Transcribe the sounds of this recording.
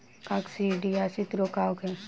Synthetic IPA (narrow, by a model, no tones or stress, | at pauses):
kaksiɖiasit̪ɾokaːkɛ